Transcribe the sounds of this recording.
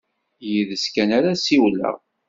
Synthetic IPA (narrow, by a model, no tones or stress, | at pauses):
jiðəskænæɾasiwlə̰ʁ